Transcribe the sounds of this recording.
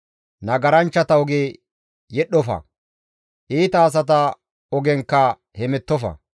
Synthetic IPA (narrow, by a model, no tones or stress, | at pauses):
nɐɡɐɾɐnt͡ʃːɐt̪ɐɔɡeː | jɛɗːɔfɐ̰ | ʔiːt̪ɐːs̬ɐt̪̬ɐ | ɔɡɛŋkːɐ | hɛmɛt̪ːɔfɐ̰